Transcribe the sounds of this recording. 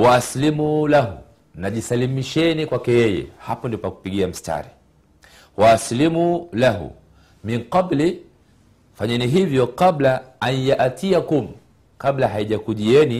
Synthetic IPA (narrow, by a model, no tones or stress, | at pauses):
waaslimulaɦṵ | naʄisalimiʃɛnikwakɛjɛjɛ̰hapɔndipaku̥piɠiam̩stʰa̰ɾi | waːslimulaɦṵ | miŋqabli | faɲɛniɦivjɔqablaanjaʔatiakum̩ | kablaɦaiʄakuʄiɛni